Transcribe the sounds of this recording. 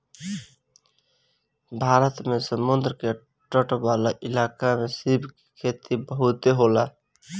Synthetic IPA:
bʱaɾət̪mesəmund̪ɾəke | ʈəʈbalaʔilakamesibʱke̥kʰet̪ibəɦut̪eɦola

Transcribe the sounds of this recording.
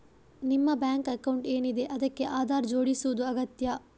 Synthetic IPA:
nimːɐbjaːŋkɐkɐwɳʈe̞ːnid̪e̞ʔɐd̪ɐkːe̞ʔaːd̪ʱaːɾd͡ʒo̞ːɽisuʋɐd̪uɐɡɐt̪jɐ

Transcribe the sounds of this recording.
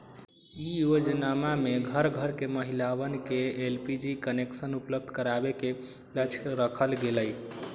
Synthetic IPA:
ijod͡ʒnamameɡʱəɾɡʱəɾkeməɦilawənkeelpid͡ʒikəneksənupləb̚d̪ʱkəɾabeke | lət͡ʃʰɾəkʰəlɡeləj

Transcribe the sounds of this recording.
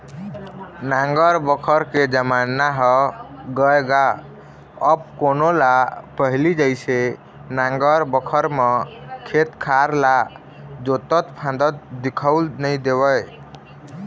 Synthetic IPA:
nãŋɡəɾbəkʰəɾked͡ʒəmanaɦəɡəeɡa | əb̚konolapəɦlid͡ʒəɪse | nãŋɡəɾbəkʰəɾmekʰet̪kʰaɾla | d͡ʒot̪ət̪pʰãnd̪ət̪̚d̪ikʰəwlnəjd̪ebəj

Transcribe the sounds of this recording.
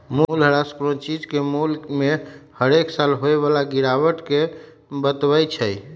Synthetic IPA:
mulɦəɾaskɾont͡ʃid͡ʒkemulkmehəɾeksalɦoeβalaɡiɾaʋəʈke | bət̪bəjt͡ʃʰəj

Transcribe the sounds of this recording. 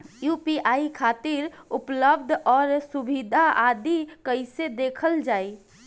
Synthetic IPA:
jupiaikʰat̪iɾupləb̚d̪ʱɔːɾsubid̪ʱaʔad̪ikəɪsed̪ekʰəld͡ʒaːi

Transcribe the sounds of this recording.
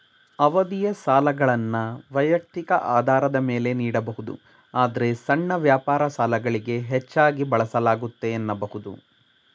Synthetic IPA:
ɐʋɐd̪ijɐsaːlɐɡɐɭɐnːɐʋɐjɐk̚t̪ikɐʔaːd̪ʱaːɾɐd̪ɐme̞ːle̞niːɽɐbɐɦud̪ṵ | aːd̪ɐɾe̞sɐɳːɐʋjaːpaːɾɐsaːlɐɡɐɭiɡe̞ɦet͡ʃːaːɡibɐɭɐsɐlaːɡut̪ːe̞ːnːɐbɐɦud̪ṵ

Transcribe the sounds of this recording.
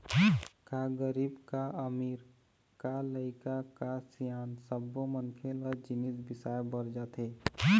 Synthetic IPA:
kaɡəɾibkaəmiːɾ | kaləɪkakasijaːnsəbːomənkʰeləd͡ʒɪnisbɪsaːebəɾd͡ʒaːt̪ɦe

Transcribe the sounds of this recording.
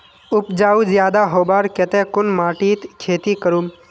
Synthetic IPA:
ʊpd͡ʒaːuzjaːd̪aɦoːbaːɾket̪ẽkʊnmaːʈiːt̪kʰeːt̪ikəɾum

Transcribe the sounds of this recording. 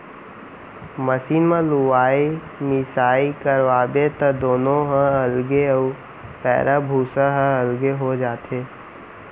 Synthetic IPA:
məsiːnmãluʋaːi | mɪsaːikəɾʋaːbet̪əd̪oːnõɦə̃əlɡeə | pɛ̰ːɾʔabʱuːsaɦə̃əlɡeɦod͡ʒaːt̪eː

